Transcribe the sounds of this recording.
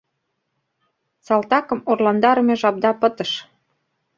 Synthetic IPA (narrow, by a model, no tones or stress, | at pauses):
sɑlt̪ɑkɤ̆murlɑnd̪ɑɾəmeʒɑp̚d̪ɑpɤ̆t̪ə̆ʃ